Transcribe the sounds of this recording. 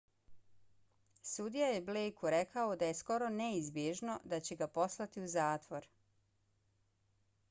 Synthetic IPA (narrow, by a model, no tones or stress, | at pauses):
sud̪ijajeblejkuɾe̞kaod̪aje̞sko̞ɾo̞neizbjeʒno̞d̪at͡ɕeɡapo̞slˠat̪iuzaːt̪ʋo̞ɾ